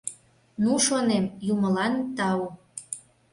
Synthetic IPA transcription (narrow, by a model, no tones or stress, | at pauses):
nuʃonemjuməlɑnt̪ɑu